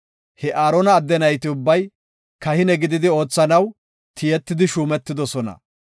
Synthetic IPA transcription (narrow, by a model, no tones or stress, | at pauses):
hɛʔaːɾɔnɐːd̪ːɛnɐjt̪ɪʊbːɐj | kɐhɪnɛɡɪd̪ɪd̪ɪo̞ːt͡sːɐnɐw | t̪ʰɪjɛt̪ːɪd̪ɪʃuːmɛt̪ːɪd̪ɔsɔnɐ̰